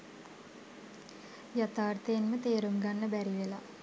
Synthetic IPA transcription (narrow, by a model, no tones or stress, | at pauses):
jat̪aːrt̪əjenmət̪eːɾuŋɡanːəbæɾiʋela